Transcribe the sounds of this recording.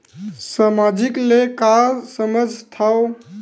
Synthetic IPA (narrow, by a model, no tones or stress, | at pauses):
samad͡ʒiklekasəməd͡ʒʱt̪ʰaw